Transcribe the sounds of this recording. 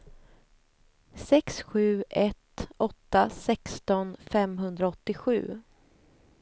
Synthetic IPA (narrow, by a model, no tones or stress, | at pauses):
sɛksɧʉ̟ːʔɛt̪ɔt̪ːasɛkst̪ɔnfɛmɦɵnd̪ɾaɔt̪ːɪɧʉ̟̰ː